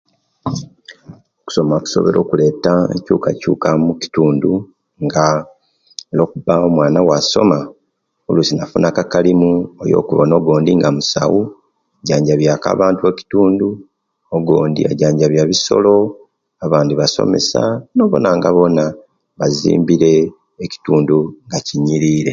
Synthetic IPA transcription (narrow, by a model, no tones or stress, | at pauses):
oku̥so̞maku̥so̞̰βe̞ɾʔoːkule̞ːtaḛcṵːkacṵːkamuci̥tuːndu | ŋɡa | elo̞ːkubaomwaːnawaso̞̰ma | olusinafunʔakakalimuejo̰ːkuβono̞ɡo̞ːndiŋɡamusa̰wu | aɟaːɲɟaβjaːka̰ːβaːntue̞ci̥tuːndu | oɡo̞ːndḭa̰ɟaːɲɟaβjaβiso̞̰lo̞ | aβaːndiβaso̰me̞̰sa̰no̞ːβo̞̰naŋɡaβo̞na | βazḭːmbiɾe̞ː | ci̥tuːnduŋɡaciɲːiɾiːɾe̞